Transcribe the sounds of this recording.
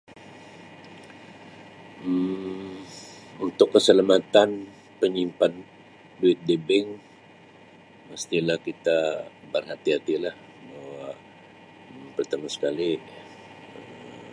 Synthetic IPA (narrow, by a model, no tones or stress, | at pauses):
m | unt̪ʊkːəsəlamat̪an | pəɲimpan | duɪt̪̚debɪŋ | məst̪ilahkit̪a | bərɦat̪iɦat̪ilah | bahwwa | mpərt̪amasə̥kali | ə